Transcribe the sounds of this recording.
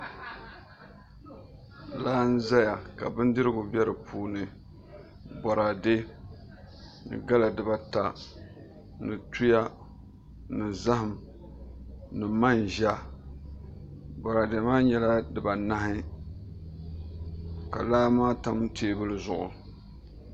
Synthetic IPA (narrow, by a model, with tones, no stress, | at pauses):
laː˦n̩˦za˦ja˨ka˨bɨ˦n˦dɨ˦ɾɨ˦ɡʊ˨bɛ˦ɾɨ˨pʰuː˦nɨ˨ | bɔ˨ɾa˨de˦ | nɨ̰˨ɡa˦la˨dɨ˨ba˨ta˨ | nɨ˨tu˦ja˦ | nɨ˨za˦ɦɨ˨m˨ | nɨ˨ma˦nʒa˦ | bɔ˨ɾa˨de˨maː˦ɲɛ˦la˦dɨ˨ba˨na˦ɦɪ˦ | ka̰˨laː˦maː˦ta˦mtʰeː˦bɨ˦lɨ˦zʊ˨ʔʊ̰˨